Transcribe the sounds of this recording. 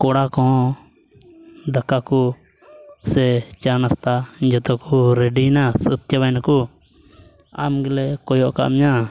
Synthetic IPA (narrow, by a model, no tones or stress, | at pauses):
kɔɽakɔ̃ | d̪akaku | sɛt͡ʃanast̪ad͡ʒɔt̪ɔkuɾeɖinasət̪jaβajnaku | a̰mɡɛlɛkɔjɔʔka̰ʔmɲa